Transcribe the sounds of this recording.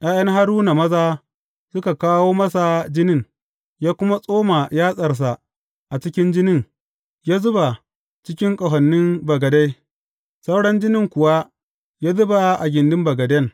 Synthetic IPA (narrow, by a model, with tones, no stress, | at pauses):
ʔaː˦jɐ˦ŋɦa˦ɽuː˦na˨mɐ˦zaː˦ | sʊ˦ka˨kaː˦woː˦mɐ˦sa˨d͡ʒɪ˦nɪ˦˨ŋ | jaː˦kʷʊ˦ma˦sʼoː˦ma˨jaː˦sʼɐ˨rs̬a˨ | ʔa˨t͡ʃɪ˦kʲɪ˦nd͡ʒɪ˦nɪ˦˨ŋ | jaː˦zʊ˦ba˨ | t͡ʃɪ˦kʲɪ˦ŋkʼɐ˨ɦɐ˨nːɪ˦mbɐ˨ɡɐ˨da˦j | sa˦wɽɐ˦nd͡ʒɪ˦nɪ˦ŋkʷʊ˨wa˦ | jaː˦zʊ˦ba˨ʔa˨ɡʲɪ˨ndɪ˦mbɐ˨ɡɐ˨dɐ˦ŋ